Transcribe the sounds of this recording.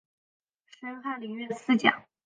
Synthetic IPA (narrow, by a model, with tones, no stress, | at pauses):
ʂə˥ŋxa˥˩nli˨˩ŋɥɛ˥˧sɹ̩˥˩t͡ɕjɑ̰˨˩˦ŋ